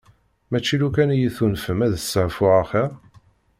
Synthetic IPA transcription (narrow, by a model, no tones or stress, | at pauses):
mæt͡ʃːilukænjiθunfəmæðəsːəʁfʊʁaχiʁ